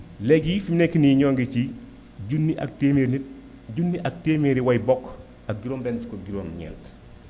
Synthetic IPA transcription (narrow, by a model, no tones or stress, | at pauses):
lɛɡifimnekːiniɲɔːŋɡit͡ʃi | ɟunːiʔɐ̰k̚teːmeɾnit̚ | ɟunːiʔɐk̚temeɾiwɐjbɔk | ɐk̚ɡiɾoːmbɛnti̥koɡiɾoːmɲɛ̰ːlt